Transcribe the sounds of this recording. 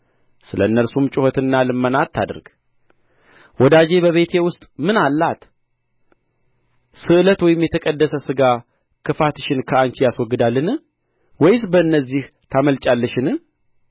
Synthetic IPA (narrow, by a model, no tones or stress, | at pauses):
sɨləɨnːəɾsumt͡ʃʼʊhɔt̪ɨnːalɨmːənat̪t̪ʰːa̰d̪ɾɡ̥ | wɔd̪ad͡ʒe̞βəβe̞t̪ʰe̞wʊst̪ʼmɨnalːat̪ | sɨʔɨlət̪wɔjɪmjɛt̪ʰəkʼəd̪ːəsəsɨɡa | kʰɨfat̪ɨʃɪnkʰəaɲt͡ʃijaswɔɡːɨd̪alːɨnɨ | wɔjɪs̬bəɨnːəzːih | t̪ʰaməlt͡ʃʼalːəʃɪnɨ